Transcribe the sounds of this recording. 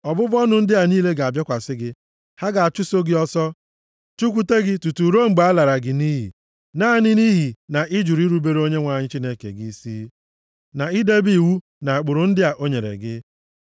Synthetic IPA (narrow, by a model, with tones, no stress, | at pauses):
ɔ˨bʊ˦bɔ˦nʊ˨n̩˦dɪ˦a˨niː˦le˦ɡa˨a˨bjɔ˦kʷa˨sɪ˦ɡɪ˦ | ha˦ɡa˨a˨t͡ʃʊ˦so˦ɡɪ˦ɔ˦sɔ˦ | t͡ʃu˦kʷu˦te˦ɡɪ˦tu˨tu˨ɾo˦ŋ͡m̩˨ɡ͡ba˨a˦la˨ɾa˨ɡɪ˨ni˦ɦḭ˨ | na˦˨nɪ˦ni˦ɦi˨na˨ʔɪ˦d͡ʒu˨ɾi˦ɾu˦be˦ɾo˦ɲe˦ŋʷa˨ɲɪ˦t͡ʃi˦ne˦kḛ˨ɡi˦i˦siː˦ | na˨i˦de˦bi˦˨wu˦ | na˨a˨k͡pʊ˨ɾʊ˨n̩˦dɪ˦a˨ʔo˦ɲe˨ɾḛ˨ɡɪ˦